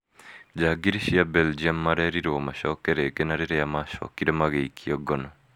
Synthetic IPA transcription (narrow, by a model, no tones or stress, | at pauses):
d͡ʒaːɡiɾiʃiabeld͡ʒiamːaɾɛɾiɾomaʃɔkɛɾeɡɛnaɾeɾejamaʃɔ̰kiɾemaɣeikʰiɔɡɔnɔ